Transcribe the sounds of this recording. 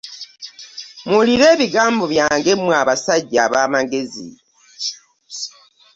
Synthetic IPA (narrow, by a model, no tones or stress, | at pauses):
muliɾe̞ːβiɡaːmbo̞βjaːŋɡe̞mwaβasaɟːaβaːmaɡe̞zḭ